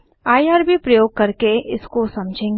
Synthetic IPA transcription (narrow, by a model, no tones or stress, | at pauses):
aːjaːɾbipɾɐjoːɡ̚kɐɾkeʔɪskosɐ̃md͡ʒʱẽːɡ